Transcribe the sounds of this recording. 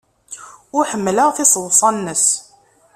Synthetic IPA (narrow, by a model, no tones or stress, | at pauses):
ʊɾħəmːləʁθɪsˤəwsˤɑnːəs